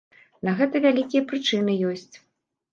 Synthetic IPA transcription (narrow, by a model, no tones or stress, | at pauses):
nɐɣɛt̪ɐvʲalʲikʲijɐpɾɨt͡ʂɨnɨjɔsʲt͡sʲ